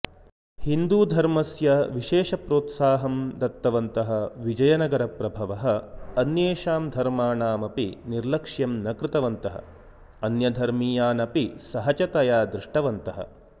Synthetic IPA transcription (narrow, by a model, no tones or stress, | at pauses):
hind̪uːd̪ʱɐɾmɐsjɐʋiʃeːʃɐpɾoːt̪saːɦɐmd̪ɐt̪ːɐʋɐnt̪ɐɦɐʋid͡ʒɐjɐnɐɡɐɾɐpɾɐbʱɐʋɐɦɐ̆ɐnjeːʃaːmd̪ʱɐɾmaːnaːmɐpiniɾlɐkʂjɐmnɐkɾɪt̪ɐʋɐnt̪ɐɦɐ̰ | ɐnjɐd̪ʱɐɾmiːjaːnɐpisɐɦɐt͡ʃɐt̪ɐjaːd̪ɾɪʂʈɐʋɐnt̪ɐɦɐ̰